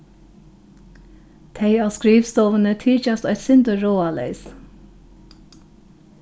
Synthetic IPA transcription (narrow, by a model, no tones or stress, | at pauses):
t̪ʰeɪɑːskɾiːʋst̪ɔːʋənət̪ʰiːc͡çɑst̪œʏt̪sʏnd̪əɹoːɑlḛɪs